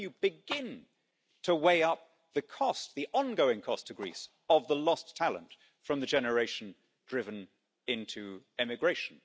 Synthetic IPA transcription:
jɨbɨɡɪ̃n | tʰəweɪʌp̚ | ðɨkʰɔst̪ðiʔɑ̃nɡoʊɪ̃ŋkʰɔstʰɨɡɹḭs | əvðəlɒstʰælˠə̰̃nt | fɹʌ̃mðɨd͡ʒɛnə˞eɪʃn̩ | dɹɪvɨ̃n | ɪ̃ntʰʉ | ɪmɨɡɹeɪʃn̩

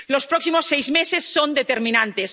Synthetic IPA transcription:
lospɾoksimosːejzmesesːond̪et̪eɾmĩnãnt̪es

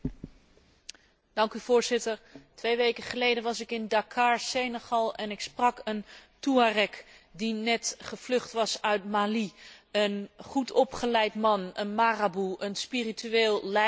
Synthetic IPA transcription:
d̥ɑŋkyv̥ʊːɹzɪtəɹtʋejʋejkəχəlejdənʋɑsɪkɪndakʰaːɹsejnəχɑlˠɛnɪksprɑkəntuarɛkdinɛtχəv̥lɵχtʋɑsœɥtmaːliənχutɔpχəlɛjtmɑnənmaːrabuʔənspirityeːlˠlɛ

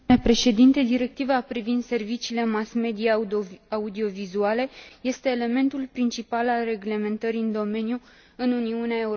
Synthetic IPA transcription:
epɾe̞ʃe̞d̪int̪e̞d̪iɾe̞k̚t̪ivapɾivind̪se̞rvit͡ʃiːle̞masme̞d̪iaud̪io̞vizuale̞je̞st̪e̞ːle̞me̞nt̪ulpɾint͡ʃipalalre̞ɡle̞me̞nt̪əɾiɨnd̪o̞me̞nju | ɨnuniuneae̞u

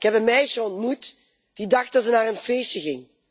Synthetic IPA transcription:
ɪkɦɛpənmɛjʃəɔntmut | d̥idɑχt̚dɑtsənaːrənfejsjəɣɪŋ

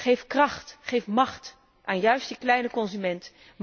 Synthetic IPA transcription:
χejfkrɑχtχejfmɑχt | ʔaːnjœɥstəklɛjnəkɔnzymɛnt | m

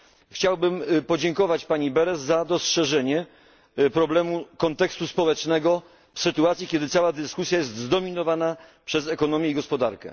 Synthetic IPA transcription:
xt͡ɕawbɘmpɔd͡ʑɛŋkɔvat͡ɕpaɲibɛɾɛsːad̪ɔstʂɛʐɛɲɛ | pɾɔblɛmukɔnt̪ɛkst̪uspɔwɛt͡ʂnɛɡɔ | fsɘt̪uat̪sʲikʲjɛd̪ɘt̪sawad̪ɘskusʲjajɛst̪zd̪ɔmʲinɔvana | pʂɛzɛkɔnɔmʲjɛiɡɔspɔd̪a̰ɾkɛ̰

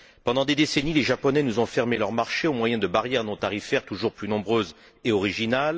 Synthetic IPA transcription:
pɑ̃d̪ɑ̃d̪ed̪esenileʒapɔnɛnuzɔ̃fɛʁmelœʁmaʁʃeomwajɛ̃d̪əbaʁjɛʁnɔ̃t̪aʁifɛʁt̪uʒuʁplynɔ̃bʁøz | eɔʁiʒinal

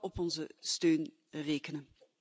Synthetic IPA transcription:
ɔpɔnzəstøːn | reːkənən

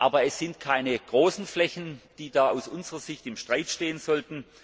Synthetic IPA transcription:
ʔaːbɐɛsz̥ɪntkʰaɪnəɡ̥ʁoːsn̩flɛçn̩d̥iːdaːaʊsʔʊnzəʁɐz̥ɪçtɪmʃtʁ̥aɪtʃteːənzɔltn̩

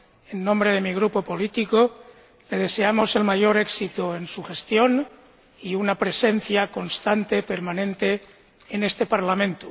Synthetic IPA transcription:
e̞nːõmbɾe̞ð̞e̞miɣ̞ɾupo̞po̞lit̪iko | le̞ð̞e̞se̞amo̞se̞lmaʝo̞ɾeksit̪oe̞nsuxe̞st̪jo̞n | iunapɾe̞se̞nθjako̞nst̪ant̪e̞peɾmanẽnt̪e̞ː | ne̞st̪e̞paɾlamẽ̞nt̪u

